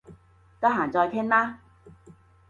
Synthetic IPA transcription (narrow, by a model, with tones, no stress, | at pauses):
ka˧˥ɦaː˨˩ŋt͡sɔː˧jt̪ʰɛː˥ŋlaː˥